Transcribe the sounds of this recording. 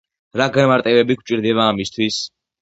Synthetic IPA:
ɾaɡanmaɾt̪ʼɛbɛbik̚ʰt͡ʃʼiɾd̪ɛβaːmist̪ʰwis

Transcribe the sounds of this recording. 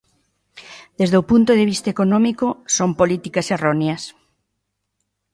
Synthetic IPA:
d̪̥ezðeowpunt̪oðeβist̪ɐekonɔ̃mikosompolit̪ikɐseroneɐs

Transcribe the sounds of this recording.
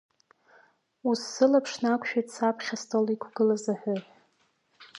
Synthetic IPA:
usːɨlapʰʂnakʷʰʼʃᶣadsapʰχʲastʰʼolikʷʰɡ̥ɨlazaħʷᶣʊħ

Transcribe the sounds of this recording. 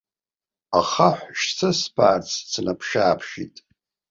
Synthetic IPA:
aχaħʷʃt͡sʰaspʰa̰ːrt͡sʰt͡sʰnʔapʰʂaːpʰʃitʼ

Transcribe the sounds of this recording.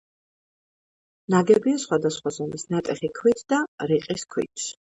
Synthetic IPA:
naɡɛbiasχwad̪asχwazɔmisnat̪ʼɛχikʰwit̪ʰd̪̥aɾiqʼiskʰwḭt̪ʰs

